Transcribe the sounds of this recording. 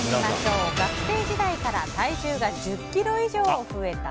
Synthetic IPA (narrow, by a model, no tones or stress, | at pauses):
maɕoɡakɯ̥se̞ːd͡ʑid̪aikaɾa̰t̪aiʑɨːɡad͡ʑɨkʲːiɾo̞iʑo̞ːɸɯ̟e̞t̪a̰